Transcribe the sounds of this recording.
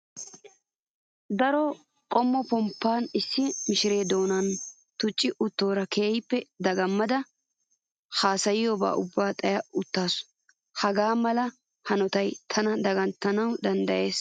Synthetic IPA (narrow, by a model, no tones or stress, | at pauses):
d̪ɐɾɔ | qʼɔmːɔpɔmpːaːnɪsːɪmɪʃɪɾe̞ːd̪o̞ːnɐn | t̪ʊt͡ʃʼːɪʔʊt̪ːo̞ːɾɐkʰeːjpːɛd̪ɐɡɐmːɐd̪ɐ | haːsɐjɪjoba̰ːʔʊbːaːt̪ʼɐjɐʊt̪ːaːsʊ̥ | hɐɡaːmɐlɐ | hɐnɔt̪ɐjt̪ʰɐnɐd̪ɐɡɐnt̪ːɐnɐwd̪ɐnd̪ɐʔe̞ːs